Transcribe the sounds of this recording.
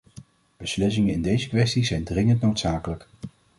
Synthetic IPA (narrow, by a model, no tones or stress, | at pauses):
b̥əslɪs̬ɪŋənɪndejzəkʋɛstizɛjndrɪŋəntnowtsaːkələk